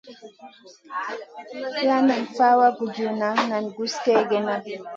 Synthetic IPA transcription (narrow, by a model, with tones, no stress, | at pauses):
la˦na˨nfa˦wa˦ɡu˨du˨na˨˦na˨nɡu˦skɛ˦ɡɛ˨na˦